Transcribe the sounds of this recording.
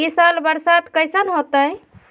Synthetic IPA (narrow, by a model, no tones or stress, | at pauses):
isalbəɾsad̪kəjsənɦot̪əj